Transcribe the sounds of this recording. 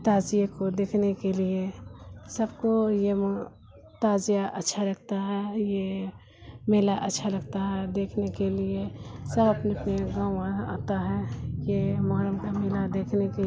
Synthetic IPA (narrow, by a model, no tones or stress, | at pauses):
t̪aːzijakod̪eːkʰnekeliesəbkojem | t̪aːzijaʔətːʃʰaɾɐk̚t̪aɦɛje | meːlaʔətːʃʰaləɡt̪aɦɛd̪eːkʰnekeliesəbəpneɐpneɡaːmãa̰ːt̪aɦɛjemɔɦɾəmkameɦlad̪eːkʰneke